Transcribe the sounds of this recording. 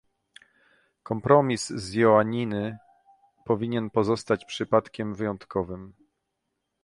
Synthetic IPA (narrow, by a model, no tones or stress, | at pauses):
kɔmpɾɔmʲiszjɔaɲinɘ | pɔvʲiɲɛnpɔzɔst̪at͡ɕpʂɘpat̪kʲɛmvɘjɔnt̪kɔvɘm